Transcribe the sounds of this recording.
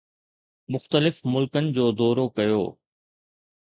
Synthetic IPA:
mʊxt̪əlɪfmʊlkənɪ̆d͡ʑoːd̪ɔːɾokɐjo̰ː

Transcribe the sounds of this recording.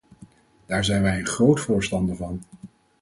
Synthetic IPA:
d̥aːɹzɛjnʋɛjənχrowtfʊːɹstɑndəvɑn

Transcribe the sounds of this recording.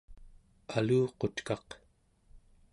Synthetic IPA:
aluːqo̞t̪kɑq

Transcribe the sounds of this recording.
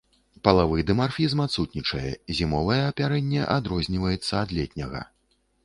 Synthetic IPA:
pɐlˠavɨjd̪ɨmarfʲizmat̪sut̪ʲnʲit͡ʂɐjɛzʲimɔvɐjɛɐpʲaɾɛnʲːɛʔad̪ɾɔzʲnʲivɐjɛt̪sːɐad̪lʲɛt̪ʲnʲɐɣɐ̰

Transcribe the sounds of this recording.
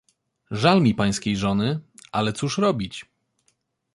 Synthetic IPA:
ʐalmʲipaj̃skʲejʐɔnɘʔalɛt̪suʂɾɔbʲit͡ɕ

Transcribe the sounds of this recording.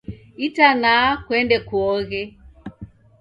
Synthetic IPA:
itanakwɛndɛkuɔɣɛ

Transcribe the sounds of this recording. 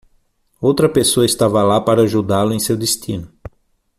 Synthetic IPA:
owt̪ɾɐpesoɐɪst̪avɐlapaɾɐaʒud̪alʊẽj̃sewd̪est̪ĩnʊ

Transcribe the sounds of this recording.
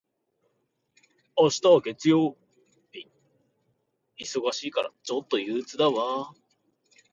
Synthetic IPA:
oɕi̥t̪aβaɡe̞t͡sɨjo̞ː | i | iso̞ɡaɕiːkaɾa̰t͡ɕo̞t̪ːo̞jɯːt͡sɨd̪aβa

